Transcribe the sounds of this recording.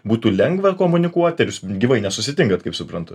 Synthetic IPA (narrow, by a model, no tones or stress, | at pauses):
buːt̪uːlʲɛŋɡʋɐkoːmʊnʲɪkuɔt̪ʲɛɾʲʊsɡʲiːʋɐɪnʲɛsʊsʲɪt̪ʲɪŋɡɐt̪kɐɪpsʊpɾɐnt̪ʊ